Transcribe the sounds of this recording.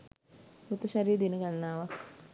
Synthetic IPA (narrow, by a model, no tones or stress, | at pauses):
ɾut̪əʃaɾiːəd̪inəɡanːaːʋak